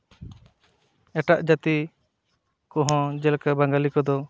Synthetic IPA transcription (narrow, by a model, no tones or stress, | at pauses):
ɛʈaʔd͡ʒat̪i | kɔ̃ɦɔ̃d͡ʒɛlkabaŋɡalikɔd̪ɔ